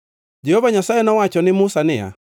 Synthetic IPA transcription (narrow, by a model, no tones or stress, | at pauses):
d͡ʒɛhɔvaɲasaɛnɔwat͡ʃɔnɪmʊsanɛa̰